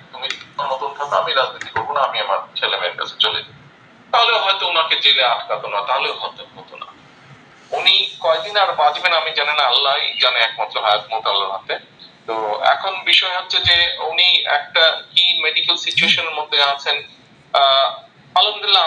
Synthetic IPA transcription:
t̪umiɔnːɔt̪ont̪ʰakeamiɾad͡ʑnit̪ikoɾbonaamiamaɾt͡ɕʰelemenka̰t͡ɕʰe̥t͡ɕolḛd͡ʑa | t̪aɦoleoɦɔet̪ounaɾket͡ɕeleaʈkat̪onat̪aɦoleoɦɔet̪oɦot̪ona̰ | unikɔek̚d̪inaɾpãd͡ʑbenamid͡ʑanenaalːajd͡ʑaneɛkmat̪ːɾoɦajat̪mot̪alːa̰ɾɦat̪e | t̪oɛ̰kʰonbiʃɔeɦotːɕʰed͡ʑeuniɛ̰k̚ʈakimeɖikalsit͡ɕueʃoneɾmod̪ʱːeat͡ɕʰen | alond̪ilːa

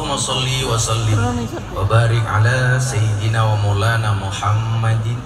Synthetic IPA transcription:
masˤɑlːiwɑsˤɑlːɪm | wa̰baːɾɪkʕa̰laːsajɪd̪ɪnaːwamulaːnaːmʊħamːad̪

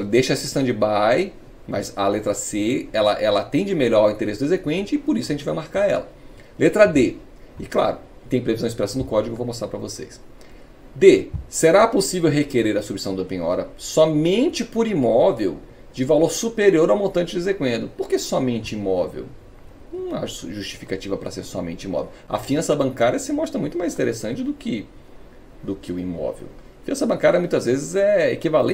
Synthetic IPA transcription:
d̪ejʃɐɛsist̪ɐ̃w̃d͡ʒɪbaj | mɐ̰zɐlet̪ɾɐseɛlɐʔɛlɐat̪ẽj̃d͡ʒɪmeʎɔɾawĩt̪eɾesɪd̪ʊezekwẽnt͡ʃɪɪpoɾisʊɐʒẽnt͡ʃɪvajmaɾkaɾɛ̰lɐ | let̪ɾɐd̪e | ɪkla̰ɾʊ | t̪ẽj̃pɾevizɐ̃ɪspiɾasɐ̃w̃d̪ʊkɔd͡ʒɪiɡʊevomost̪ɾapɾɐvosḛjs | d̪eseɾaposivewɦekeɾeɾɐsubisɐ̃w̃d̪ɐopĩɲɔ̰ɾɐsɔmẽnt͡ʃɪpoɾimɔvew | d͡ʒɪvaloɾsupeɾioɾawmõt̪ɐ̃nt͡ʃɪd͡ʒezekwẽnd̪ʊpoɾkesɔmẽnt͡ʃɪimɔvḛw | nɐ̃w̃a̰ʒuʃt͡ʃi̥fi̥kat͡ʃivɐpɾɐ̰seɾsɔmḛ̃nt͡ʃɪĩmɔ̰vḛwɐ̰fiɐ̃sɐbɐ̃ŋkaɾjɐsɪmɔst̪ɾɐmũj̃t̪ʊmajzĩt̪eɾesɐ̃t͡ʃɪd̪ʊkɪ | d̪ʊkɪʊimɔ̰vḛw | fiɐ̃sɐbɐ̃kaɾjɐmũj̃t̪ɐzvezɪzɛekivalẽ

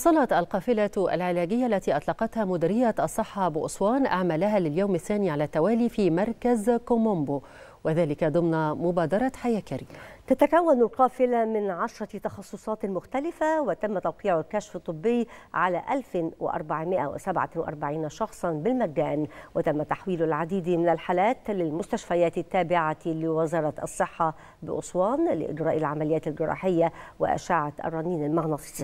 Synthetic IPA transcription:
wɑsˤɑlɑt̪ʔɑlqɑːfɪlaa̰lʕɪlæːɡɪjːaʔalːæt̪iːʔɑt̪ˤlɑqɑt̪hæmʊd̪ɪɾɪjaʔɑsˤːɨħːɑbɪʔʊ̰sˤwɑːnʔaʕmalaɦæːlɪljoːmaθːæːniʕalæːt̪ːawæːliːfiːmɑɾˤkazkomʊmbo | wʔɪðaːlɪkad̪ˤʊmnmʊbæːd̪ɑɾˤɑħajæːkaɾḭːmat̪at̪akawːanɪlqɑːfɪlamɪnʕɑʃɾˤɑt̪ɑxɑsˤːosˤɑːt̪mʊxt̪alɪfawɪt̪amːat̪ɑwqiːʕʊlkaʃfɨt̪ˤːɨbːɪjːʕalaʔalfɪwɪ̰ʔɑ̰ɾˤbaʕmɪʔawɪ̰sabʕa̰wɪʔɑ̰ɾˤbaʕiːnaʃɑxsˤɑnbɪlmaɡaːnwɪt̪amːat̪aħwiːlʊlʕad̪iːd̪imɪnalħalaːt̪lɪlmʊst̪aʃfajaːt̪ɪt̪ːaːbɪʕalɪwazɑɾˤɑt̪ʔɑ̰sˤːɨħːɑ | bɪ̰ʔʊ̰sˤwɑːnlɪ̰ʔɪ̰d͡ʒɾɑːʔɪlʕamalɪjːaːt̪ɪlɡɪɾˤɑ̰ːħɪjːawɪ̰ʔa̰ʃaːʕaʔa̰rˤːɑniːnalmaɣnɑt̪ˤɨ̥s

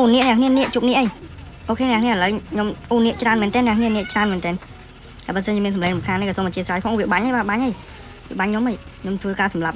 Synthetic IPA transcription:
ʔoːnːiəʔnɛəŋkʰniəniəʔt͡ɕuːp̚niəʔəj | pokʰeːŋnɛəkʰniəhaləwɲomʔoːniəʔt͡ɕraənmɛːnt̪ɛːnːɛ̆əkʰniəniəʔt͡ɕraənmɛːnt̪ɛːn | hajɓəːsənɲt͡ɕiəmiənsɑmlɛːŋsumkʰanːəkːaːsoːmət͡ɕiəsraːjkʰɔŋkːʋiəɓaɲəjɓaːɓaɲʔəj | ʋiəɓaɲɲoməjkʰɲomt̪ʰʋəːkaːsɑmlap̚

